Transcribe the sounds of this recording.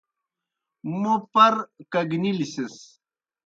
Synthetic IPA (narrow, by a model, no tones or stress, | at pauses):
mupɐɾkɐɡnilises